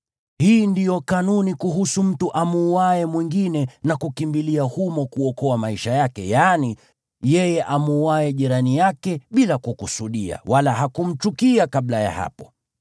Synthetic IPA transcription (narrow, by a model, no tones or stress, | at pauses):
hiːndijɔkanunikuɦusum̩tuʔamuːwaɛmwiŋɡinɛnakukimbiliahumɔkuɔkɔamaiʃajakɛ̰jani | jɛjɛʔamuːaɛʄiɾanijakɛɓilakukusuɗia̰walahakum̩t͡ʃukiakaɓlaja̰ha̰pɔ̥